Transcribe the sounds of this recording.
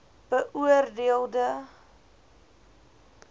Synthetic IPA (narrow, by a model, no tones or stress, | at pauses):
b̥əʔuərdeəlˠdə